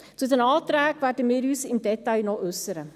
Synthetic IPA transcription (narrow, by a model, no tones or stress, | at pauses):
t͡sudənɑːtɾæːkværdəmɪːɾyːsɪmdɛtɑjnɔʔʏsəɾə